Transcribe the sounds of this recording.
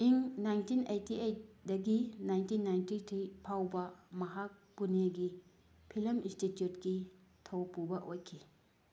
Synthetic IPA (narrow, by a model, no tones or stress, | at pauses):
iŋnajntʰinejtiejdaɡinajntinːajntitʰɾipʰawbamaɦapuneɡi | pʰilmĩstitjutɡi | tʰɔwpubaʔojkʰi